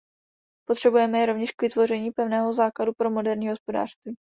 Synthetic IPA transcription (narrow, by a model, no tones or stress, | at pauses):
pot̪r̥ɛbujɛmɛjɾo̞vɲɛʃkvɪt̪vo̞rɛɲiːpɛvnɛːɦozaːkladupɾo̞mo̞dɛɾɲiːɦo̞spo̞da̰ːr̥st̪vɪ